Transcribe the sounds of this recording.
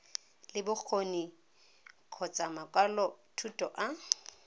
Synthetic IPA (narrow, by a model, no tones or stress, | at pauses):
lɪbʊk͡xʰoni | kʰɔt͡sʼamakʼwalɔtʰutʼɔʔa